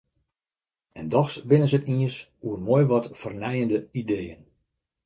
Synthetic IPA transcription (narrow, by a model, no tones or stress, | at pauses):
ɛndɔxsbɪnənzətiəsuərmojʋɔtfərnɛjəndəideːən